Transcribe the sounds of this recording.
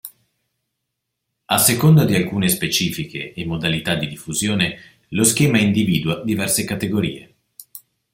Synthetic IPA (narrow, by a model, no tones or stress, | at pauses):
asːekond̪ad̪ialkuːnespet͡ʃiːfikeːmːod̪alit̪ad̪id̪ifːuzjoːne | losk̟ɛːmaind̪iviːd̪uad̪ivɛrsekat̪eɡoɾḭːḛ